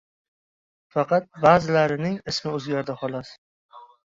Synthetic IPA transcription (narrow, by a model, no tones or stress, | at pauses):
fɑqʰɑt̪̚bazɪlaɾɪnɪŋɪsmɪɵzɡʲaɾd̪ahɒlas